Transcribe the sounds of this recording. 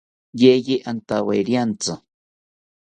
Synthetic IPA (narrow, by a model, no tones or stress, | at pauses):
jejɪʔant̪awa̰jɾjant͡sʊ